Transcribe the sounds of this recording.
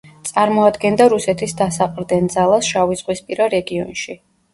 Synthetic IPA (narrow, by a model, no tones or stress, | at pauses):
t̪sʼaɾmɔad̪ɡɛnd̪aɾusɛt̪ʰisd̪asaqʼɾd̪ɛnd̪zalˠasʃaviz̥ʁwispʼiɾaɾɛɡiɔ̰nʃi